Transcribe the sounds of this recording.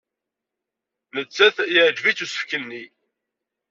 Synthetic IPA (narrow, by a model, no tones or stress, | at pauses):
nət͡sːæθjəʕd͡ʒvit͡sːusə̥fkənːi